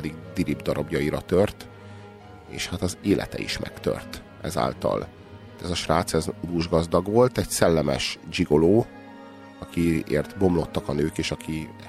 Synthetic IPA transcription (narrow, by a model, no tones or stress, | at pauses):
ɛd̪iɡ̚d̪iɾibd̪ɒɾɒbjɒiɾɒt̪ørt̪ | ḛːʃhat̪ɒzeːlʔɛ̰t̪ɛ̰ḭʃmʔɛ̰kt̪ø̰rt̪ | ʔɛza̰ːlt̪ɒ̰l | t̪ɛzɒʃraːt̪sɛzud̪uʒɡɒzd̪ɒɡʋo̞lt̪ɛɟsɛlːɛmɛ̰ʃd͡ʒiɡo̞loː | ɒkiḛːrt̪bo̞mlo̞t̪ːɒkɒnøːkeːʃɒkʰi